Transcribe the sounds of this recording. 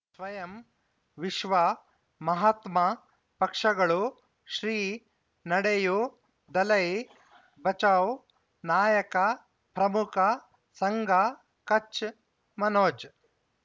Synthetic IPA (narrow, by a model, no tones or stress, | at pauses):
sʋɐjɐm | ʋiʃʋɐ | mɐɦat̪mɐ | pɐkʂɐɡɐɭu | ʃɾiː | nɐɽeju | d̪ɐlɐj | bɐt͡ʃɐw | naːjɐkɐ | pɾɐmukʰɐ | sɐŋɡʱɐ | kɐt͡ʃ | mɐnoːt͡ʃ